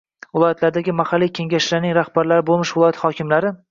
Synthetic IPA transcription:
vɪlˠɒjat̪ʰlaɾd̪aɡʲɪmahalːijkʲʰe̞ŋɡʲaʃlaɾnɪŋɾahbaɾlaɾɪbolˠmɪʃvɪlˠɒjat̪hɒkʲɪmlaɾɪ

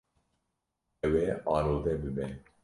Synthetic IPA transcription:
ɛwɛɑːnoːd̪ɛbɨbɛ

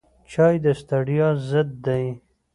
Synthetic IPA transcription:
t͡ʃɑjd̪əst̪aɽijɑzəd̪̚ːaj

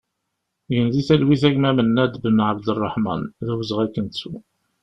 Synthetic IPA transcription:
jənðiθælwiθæʝmæmənːæd̪bənəʕəbd̪ərˤːəħmɑ̰nðæwzəʁækːənt͡sːu

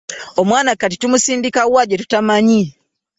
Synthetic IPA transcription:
omwaːnakat̬itumusiːndikawaɟetu̥tamaɲi

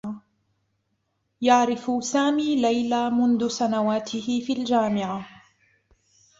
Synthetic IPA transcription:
jaʕɾɪfʊsaːmiːlajlaːmʊnðʊsanawaːt̪ʰɪhɪfiːʔald͡ʒaːmɪʕa

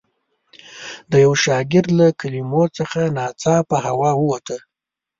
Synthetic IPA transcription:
d̪əjawʃɑɡɪɾd̪lakalimot͡səxanɑt͡sɑpəhawɑwəwat̪ə

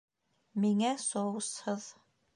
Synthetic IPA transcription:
miŋæsowshɤð

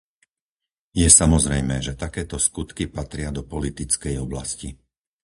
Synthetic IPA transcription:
jɛsamɔzɾɛjmɛːʒɛt̪akɛːt̪ɔskut̪kipat̪ɾɪad̪ɔpɔlit̪it͡skɛjɔbla̰sci

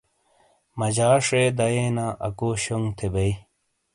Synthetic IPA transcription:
mɐd͡ʑaːʂed̪ɐjeːnaːʔɐ̰koːɕoŋt̪ʰebɐi

